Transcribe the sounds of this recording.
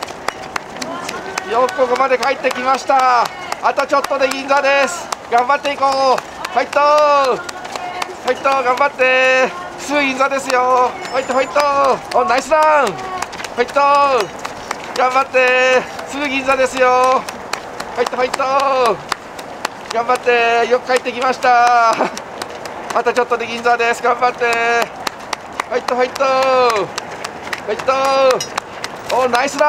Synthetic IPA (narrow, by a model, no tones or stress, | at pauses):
jokoɡomad̪e̞kaet̪ːe̞kʲimaɕi̥t̪a | at̪o̞t͡ɕo̞t̪ːo̞d̪e̞ɡʲĩnzad̪e̞sɨ̥ɡ̥ãmbat̪ːe̞ikoː | hait̪ːo | hait̪ːoɡãmbat̪ːe̞ | ɯ̥sɨɡɯ̟ɡʲĩnzad̪e̞sɨjohait̪ːɦait̪ːoõnːaisɨɾã | hait̪ːo | ɡ̥ãmbat̪ːe̞sɨɡɯ̟ɡʲĩnzad̪e̞sɨjo | hoit̪ːoɦait̪ːo | ɡ̥ãmbat̪ːe̞jokɯ̟̥kait̪ːekʲimaɕi̥t̪a | mat̪at͡ɕo̞t̪ːod̪eɡʲĩnzad̪esɨɡãmbat̪ːe̞ | hoit̪ːoɦait̪ːo | hait̪ːo | onaisɨɾa